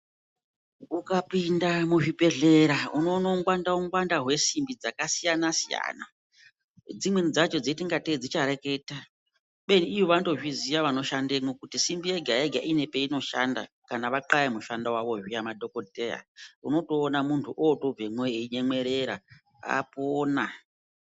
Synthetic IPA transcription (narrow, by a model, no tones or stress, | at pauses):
ukapindamuʐipe̞ɮe̞ɾauno̞ːnouŋɡwandauŋɡwandaɦwe̞simbid͡zakasijanasija̰ːna̰ | d͡zimwend͡zat͡ʃo̞d͡zetiŋɡated͡zit͡ʃaɾe̞ke̞ta | ɓe̞niːjoʋato̞ʐizijaʋano̞ʃandemwokutisimbieɡʱaeɡʱaʔine̞pe̞ino̞ʃa̰nda̰ | kanaʋaǃajemuʃandawaʋo̞ʐijamadʱo̞koteja̰uno̞toːnamuntʰuʔoːto̞b͡vemweiɲe̞mwe̞ɾe̞ɾa̰ | a̰poːna